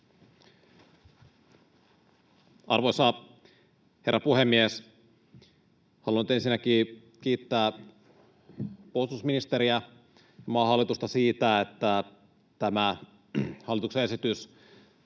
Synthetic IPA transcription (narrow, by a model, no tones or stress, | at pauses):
ʔɑ̰rʋojsɑ | he̞̰rːɑpuhemːies | hɑluɑnyt̪e̞nsinːæk̟iː | k̟iːt̪ːæː | polst̪usminist̪e̞ɾiæ | mɑːhɑlːˑit̪ust̪ɑsiːt̪æet̪ːæ | t̪æmæ | hɑlːˑit̪ukseesit̪ys